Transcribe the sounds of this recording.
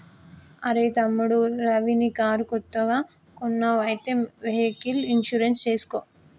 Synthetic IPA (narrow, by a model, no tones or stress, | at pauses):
ɐɾet̪ɐmːuɽuɾɐʋinikaːɾukot̪ːɐɡaː | konːɐʋɐjt̪emʋeɦekilinʃuɾenst͡ʃeːsu̥koː